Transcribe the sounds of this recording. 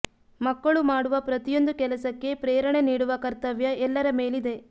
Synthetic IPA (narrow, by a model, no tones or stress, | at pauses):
mɐkːɐɭumaːɽuʋɐpɾɐt̪ijo̞nd̪ukɛlɐsɐkːe̞pɾeːɾɐɳeniːɽuʋɐkɐɾt̪ɐʋjɐɛlːɐɾɐmeːlid̪e̞